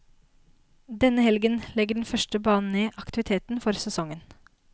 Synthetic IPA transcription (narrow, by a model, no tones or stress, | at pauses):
d̪ɛnəhɛlɡənlɛɡəɖɛn̩fœʃʈəbɑːnn̩eːʔɑkt̪ɪʋɪt̪ʰeːt̪n̩fɔɾsɛsɔŋən